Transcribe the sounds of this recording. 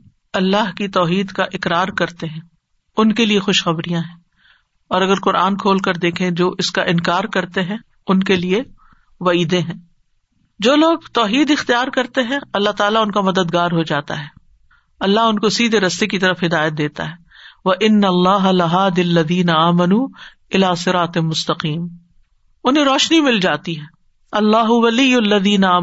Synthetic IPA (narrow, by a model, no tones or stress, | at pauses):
ɐlːaɦkit̪ɔːɦiːd̪kaʔɪkɾaːɾkɐɾt̪eɦɛ̃ː | ʊnkeliexʊʃxɐbɾijãɦɛ̃ | ɔːɾɐɡəɾqʊɾʔaːnkʰoːlkɐɾd̪eːkʰẽd͡ʒoːʔɪskaʔɪnkaːɾkɐɾt̪eɦɛ̃ | ʊnkelie | ʋɐiːd̪ẽɦɛ̃ː | d͡ʒoːloːɡt̪ɔːɦiːd̪ɪxt̪ijaːɾkɐɾt̪eɦɛ̃ɐlːaɦt̪aːlaʊnkamɐd̪əd̪ɡaːɾɦod͡ʒaːt̪a̰ɦɛː | ɐlːaɦʊnkosiːd̪ʱeɾɐst̪ekit̪ɐɾəfɦɪd̪aːjət̪̚d̪eːt̪a̰ɦɛː | ʋɐʔɪnːɐlːaːɦɐlɐɦaːd̪iɐlːɐðiːnɐaːmɐnuː | ɪlaːsɪɾaːt̪ɪmʊst̪ɐqiːm | ʊnɦẽɾɔːʃnimɪld͡ʒaːt̪iɦɛː | ɐlːaːɦʊʋɐlijʊɐlːɐðiːnɐaː